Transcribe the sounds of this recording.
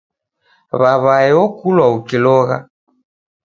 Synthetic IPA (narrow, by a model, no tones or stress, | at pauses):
βaβaɛɔkulwaukilɔɣa̰